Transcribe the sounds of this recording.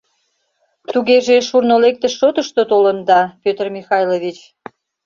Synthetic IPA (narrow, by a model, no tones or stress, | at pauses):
t̪uɣeʒeʃurnolek̚t̪əʃːot̪əʃt̪ot̪olənd̪ɑpʲøt̪ərmixɑjloβit͡ɕ